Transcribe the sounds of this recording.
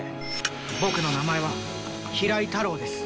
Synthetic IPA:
bo̞kɯ̟no̞namae̞β̞a | çiɾait̪aɾo̞ːd̪e̞sɨ̥

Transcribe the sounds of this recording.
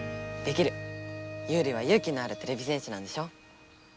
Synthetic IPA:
d̪̥e̞kʲiɾɯ̟jɯːɾʲiβ̞ajɯːkʲiɲaɾɯ̟t̪e̞ɾe̞bʲisẽɕinãnd̪e̞ɕo̞ː

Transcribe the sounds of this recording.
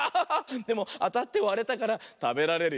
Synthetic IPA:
d̪e̞mo̞at̪at̪ːe̞oβaɾe̞t̪akaɾat̪abe̞ɾaɾe̞ɾɯ

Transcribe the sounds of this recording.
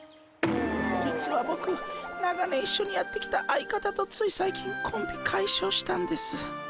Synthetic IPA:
d͡ʑit͡sɨβabo̞kɯ̟naɡane̞iɕːo̞ɲ̟ijat̪ːe̞kʲi̥t̪aʔaikat̪at̪o̞t͡sɨisaikʲĩŋkʰõ̞mbʲikʰaiɕo̞ːɕi̥t̪ãnd̪e̞sɨ

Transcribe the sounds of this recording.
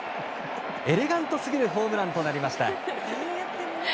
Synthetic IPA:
e̞ɾe̞ɡãnt̪o̞sɨɡʲiɾɯ̟ɦo̞ːmɯ̟ɾãnt̪o̞naɾʲimaɕi̥t̪a̰ | jat̪ːeɾ

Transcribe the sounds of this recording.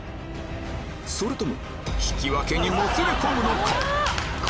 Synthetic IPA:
soɾet̪omo̰ | ɕi̥kʲiβake̞ɲ̟imot͡siɾʲɯkomɯnokʰak

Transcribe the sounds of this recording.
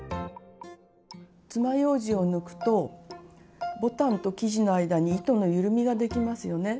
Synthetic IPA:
t͡sɨmajo̞ːʑio̞nɯ̟kɯ̟̥t̪o̞ | bo̞t̪ãnt̪o̞kʲiʑino̞aid̪aɲ̟iːt̪o̞no̞jɯ̟ɾɯ̟mʲiɡad̪e̞kʲimasɨjo̞ne̞

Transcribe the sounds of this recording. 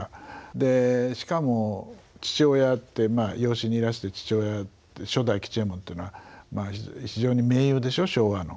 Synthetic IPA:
ad̪e̞ɕi̥kamo̞t͡ɕi̥t͡ɕo̞ːjat̪ːe̞maːjo̞ːɕiɲ̟iiɾaɕi̥t̪e̞t͡ɕi̥t͡ɕo̞ːjat̪ːeɕo̞d̪aikʲi̥t͡ɕiemõnt̪eiɯnoβamaːçiʑo̞ːɲ̟ime̞ːjɯ̟ːd̪e̞ɕo̞ɕo̞ːβano̞̰

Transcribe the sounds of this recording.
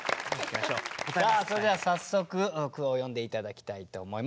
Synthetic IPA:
imaɕosaːso̞ɾed̪easasːo̞kɯ̟ɯkɯ̟ojõ̞nd̪e̞it̪ad̪akʲi̥t̪ait̪o̞ːmo̞im

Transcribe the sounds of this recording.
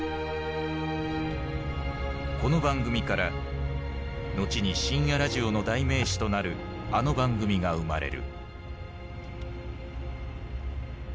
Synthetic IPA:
ko̞no̞bãŋɡɯ̟mʲikaɾa | no̞t͡ɕiɲ̟iɕĩɰ̃jaɾaʑio̞no̞d̪aime̞ːɕi̥t̪o̞naɾɯ̟ | ano̞bãŋɡɯ̟mʲiɡaɯ̟maɾe̞̰ɾɯ̟̰

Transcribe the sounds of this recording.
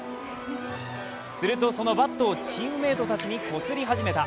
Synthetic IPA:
sɨɾɯ̟t̪o̞so̞no̞bat̪ːo̞ːt͡ɕĩɯ̟̃me̞ːt̪o̞t̪at͡ɕiɲ̟iko̞sɨɾʲiɦaʑime̞t̪a

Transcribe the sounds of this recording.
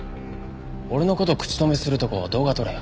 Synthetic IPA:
o̞ɾeno̞ko̞t̪o̞kɯ̟̥t͡ɕi̥t̪o̞mesɨɾɯ̟t̪o̞kod̪o̞ːɡat̪o̞ɾe

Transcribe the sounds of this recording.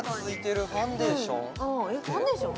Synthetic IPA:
t͡sɨit̪eɾɯfãnd̪eɕõŋõjokfãnd̪eɕõ

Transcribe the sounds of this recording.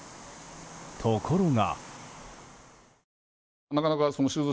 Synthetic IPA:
t̪ʰokʰoɾoŋa̰ | nakanakasõnɕɨːzo

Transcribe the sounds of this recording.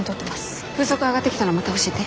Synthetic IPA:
ɲit̪o̞t̪ːe̞masɨ̥ | ɸɯːso̞kɯaɡat̪ːe̞kʲi̥t̪anomat̪aoɕiet̪e

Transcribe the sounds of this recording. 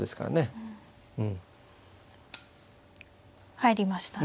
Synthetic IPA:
d̪e̞sɨ̥ka̰ɾa̰ne | ɯ̟̃ɴ | haiɾʲimaɕi̥t̪a

